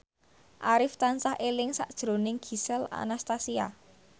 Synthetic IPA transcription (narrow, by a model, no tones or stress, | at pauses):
ʔaɾɪft̪ansahelɪŋsa̰ʔd̥ʒ̥ɾo̤nɪŋɡ̥i̤sɛla̰nast̪asia̰